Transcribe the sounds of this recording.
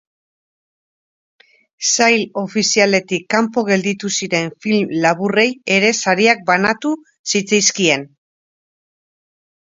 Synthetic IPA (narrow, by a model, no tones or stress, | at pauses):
sajlo̞fisiale̞t̪ikːampo̞ɣe̞ld̪it̪usiɾe̞ɱfilmlaβure̞je̞ɾe̞saɾiak̚banat̪u | sit͡sajskie̞n